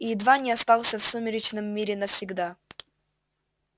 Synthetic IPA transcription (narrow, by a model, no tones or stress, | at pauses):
iɪd̪vanʲɪast̪alˠsʲəfsumʲɪɾʲɪt͡ɕnɨmːʲiɾʲɪnəfsʲɪɡd̪a